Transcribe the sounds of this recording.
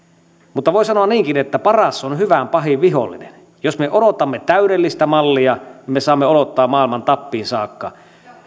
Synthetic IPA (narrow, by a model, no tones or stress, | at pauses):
mut̪ːɑʋoˑisɑnoɑnniːŋkinet̪ːæpɑrɑsːonhyʋæmpɑhiʋʋiɦo̰lːḭnḛn | josmeʔodot̪ɑmːet̪æyɾelːist̪æmɑlːiɑnimːesɑːmːeodot̪ːɑːmmɑːˑilmɑnt̪ɑpːiːnsɑːkːɑ̰